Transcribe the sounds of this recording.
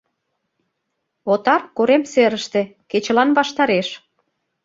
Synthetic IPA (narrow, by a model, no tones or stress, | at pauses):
ot̪ɑrkoɾemseɾəʃt̪ĕ | ket͡ɕəlɑnβɑʃt̪ɑɾeʃ